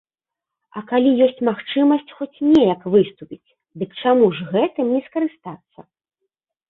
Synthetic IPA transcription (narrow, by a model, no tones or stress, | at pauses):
ɐkalʲijɔsʲt͡sʲmaxt͡ʂɨmɐsʲt͡sʲxɔt͡sʲnʲɛjɐkvɨst̪upʲit͡sʲ | d̪ɨkt͡ʂamuʐɣɛt̪ɨmnʲɛskɐɾɨst̪at̪sːɐ